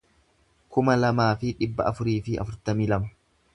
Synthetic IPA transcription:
kʊmɐlɐmaːfɪᶑɪbːɐ̰ʔɐfʊɾiːfɪɐ̰fʊɾt̪ɐmiːlɐmɐ

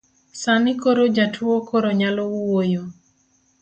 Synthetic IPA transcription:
sanɪkoɾod͡ʒatʰwokoɾoɲalouwojo

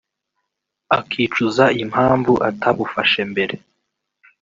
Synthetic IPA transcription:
akʰiːt͡ʃuzaim̥haːɱvuʔa̰tʰaβufaʃembe̞ɾe̞

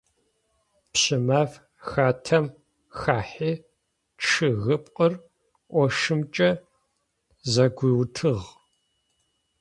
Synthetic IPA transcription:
pɕɪmaːf | xaːtʰɐm | xaːħiː | ʈ͡ʂʰɨɣɨpʼqʼər | ʔʷɔʂɨmt͡ʃʼɐ | zɐɡʷiːwtʰɨʁ

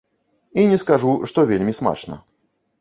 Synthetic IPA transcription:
inʲɪskaʐuʂt̪ɔvʲelʲmʲisma̰t͡ʂnə̰

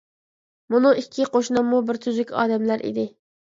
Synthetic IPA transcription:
munɨikʲʰːiqʰoʃnɑmːubɪɾt̪ʰyzykʲɑ̰ːd̪ɛmlæɾʔḭd̪ɪ

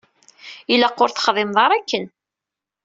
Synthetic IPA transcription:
ilæqːʊɾθə̥χðˤɪmðˤɑɾˤækːən

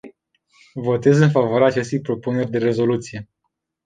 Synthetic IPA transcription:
vo̞t̪e̞zɨnfavoaɾaːt͡ʃe̞st̪ejpɾo̞pune̞rʲd̪e̞ɾe̞zo̞lut̪sije̞

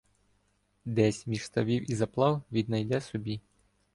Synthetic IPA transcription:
d̪ɛsʲmʲiʃst̪ɐʋʲiwizɐplˠɑwʋʲid̪nɐjd̪ɛsɔbʲi

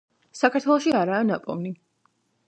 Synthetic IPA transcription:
sakʰaɾt̪ʰwɛlˠɔʃiaɾaːnapʼɔ̰vni

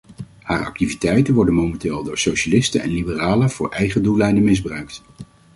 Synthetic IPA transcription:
haːɹɑ̰k̚tivitɛjtənʋɔɹdənmomɛntɪːlˠdʊːɹsowʃalɪstənɛ̰nlibəraːlənv̥ʊːɹʔɛjχədulɛjdənmɪzbrœɥkt

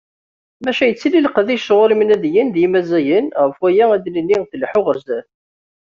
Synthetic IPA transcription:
mæʃæjət͡sːililəqðiʃʁʊɾimnæðjənðjimæzæjənʁəfwæjææd̪lənːiʁθlħʊʁəɾzæθ

